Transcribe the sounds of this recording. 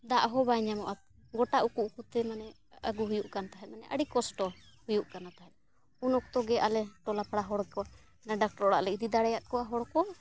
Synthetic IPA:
d̪aʔɦɔbaɲamɔʔat̪ | ɡɔʈaʔukuʔkut̪ɛmanɛ | əɡuɦujuʔkant̪aɦɛt̪̚manɛʔəɽikɔsʈɔ | hujuʔkanat̪aɦɛt̪̚ | unɔk̚t̪ɔɡɛʔalɛʈɔlapʰaɽaɦɔɽkɔa | naɖak̚ʈɔɾɔɽa̰ʔlɛid̪id̪aɽɛjat̪̚kɔwaɦɔɽkɔ

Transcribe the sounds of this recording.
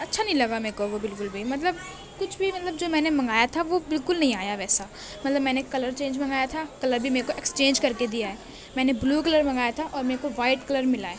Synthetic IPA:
ɐtːʃʰanɐɦĩlɐɡamẽːkoʋobɪlkʊlbʱimɐt̪̬ləb̚ | kʊt͡ʃʰbʱimɐt̪ləbd͡ʒoːmɛ̃ːnemɐ̃ŋɡaːjat̪ʰaʋobɪlkʊlnɐɦĩaːjaʋɛːsa | mɐt̪ləbmɛ̃ːnekɐləɾt͡ʃẽːnd͡ʒmɐ̃ŋɡaːjat̪ʰakɐləɾbʱimeːɾekoʔekst͡ʃẽːnd͡ʒkɐɾked̪ijaɦɛː | mɛ̃ːnebluːkɐləɾmɐ̃ŋɡaːjat̪ʰaʔɔːɾmeːɾkoʋaːɪʈkɐləɾmɪlaːeː

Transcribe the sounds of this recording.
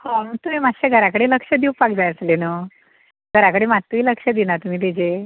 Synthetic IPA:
hɔ̃məɡ̚t̪umemaɕeɡʱəɾakəɽeləkʂəd̪iupakd͡zajəslenə | ɡʱəɾakəɽemat̪ːʋiləkʂəd̪inat̪um̤iːt̪ed͡ʑe

